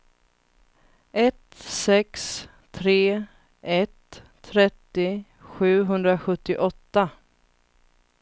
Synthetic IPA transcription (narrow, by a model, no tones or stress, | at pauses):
ɛt̪sɛks | t̪ʰɾeː | ɛt̪ʰː | ɾɛt̪ːɪ | ɧʉ̟ːɦɵnd̪ɾaɧɵt̪ːɪʔɔt̪ːa